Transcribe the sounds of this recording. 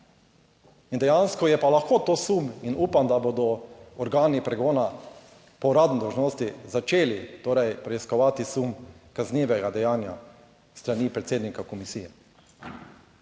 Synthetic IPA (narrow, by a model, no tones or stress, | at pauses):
ind̪ɛjanskɔjɛpalaxkoːt̪oːsuminuːpamd̪aboːd̪ɔɔɾɡaːnipɾɛɡoːna | pɔɾaːd̪nid̪ɔwʒnoːst̪izat͡ʃeːlit̪oːɾɛjpɾɛiskɔʋaːt̪isumkaznʲiːʋɛɡad̪ɛjaːnja̰ | st̪ɾaniːpɾɛt̪seːd̪nikakɔmisiːjɛ